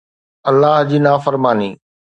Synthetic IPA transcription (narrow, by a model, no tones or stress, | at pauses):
ɐlːaːɦd͡ʑiːnaːfəɾmaːniː